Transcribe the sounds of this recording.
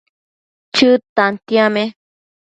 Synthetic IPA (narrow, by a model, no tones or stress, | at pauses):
t͡ʃɨt̪ãnt̪ĩãmẽ